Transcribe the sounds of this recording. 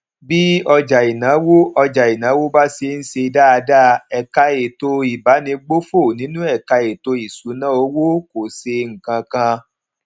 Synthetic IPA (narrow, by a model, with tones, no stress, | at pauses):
bi˦ɔ˧d͡ʒa˨i˨nã˨˦wo˦ɔ˧d͡ʒa˨i˨nã˨˦wo˦ba˦se˧n̩˦se˧˦da˦a˧da˦ɛ˨ka˧e˨to˧i˨ba˨˦nĩ˧ɡ͡bo˦fo˦˨nĩ˨˦nũ˦ɛ˦˨ka˧e˨to˧i˨su˨˦nã˦o˧˦wo˦ko˨se˧ŋ̩˨kã˧kã˧